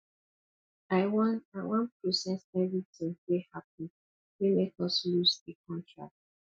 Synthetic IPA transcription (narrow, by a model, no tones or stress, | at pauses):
aɪwɔ̃naɪwɔ̃npʰɹosɛsɛvɹitʰɪ̃ŋwehap̚ĩn | wemekɔslusekʰɔ̃ntʰɹa̰k̚t